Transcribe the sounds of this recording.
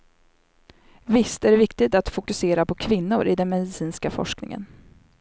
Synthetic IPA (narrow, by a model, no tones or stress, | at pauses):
vɪst̪æɖɛvɪkt̪ɪt̪at̪fʊkɵseːɾapʰɔkʰvɪnːʊɾʔɪd̪ɛnmɛd̪ɪsiːnskafɔ̰ʂknɪ̰ŋə̰n